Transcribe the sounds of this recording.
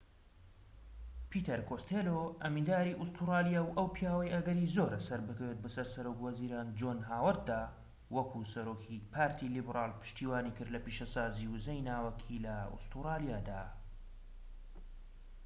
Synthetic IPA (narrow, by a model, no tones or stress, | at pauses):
piːt̪ɐɾkʰost̪ʰeːloʔɐmind̪aːɾiʔust̪uraːlijawʔɐwpʰijaːwɐjɐɡɐɾizoːɾasɐɾbɨkɐwet̪̚bɐsɐɾsɐɾoːkwɐziːɾaːnd͡ʒoːnɦaːwɐt̪̚d̪aː | wɐkʰusɐɾoːkʰipʰaːɾt̪ʰilibraːlpʰɨ̥ʃt̪iːwaːniːkɨɾd̪lɐpiʃɐsaːziːwɨzɐjnaːwɐkʰilɐṵst̪uɾaːlijaːd̪aː